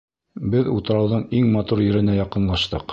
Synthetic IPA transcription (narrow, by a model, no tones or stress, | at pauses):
bɘðut̪ɤ̆ɾɑwðɤɴiŋmɑt̪uɾjɘ̆ɾɘ̆næjɑqɤ̆nlˠɑʃt̪ɤq